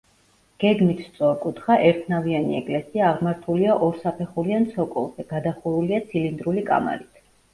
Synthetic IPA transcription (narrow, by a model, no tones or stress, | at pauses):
ɡ̥ɛɡmit̪ʰst̪sʼɔɾkʼut̪ʰχaʔɛɾt̪ʰnavianiɛkʼlɛsiaːʁmaɾt̪ʰuliaʔɔɾsapʰɛχuliant̪sʰɔkʼɔlˠzɛɡ̥ad̪aχuɾuliat̪sʰilind̪ɾulikʼa̰ma̰ɾit̪ʰ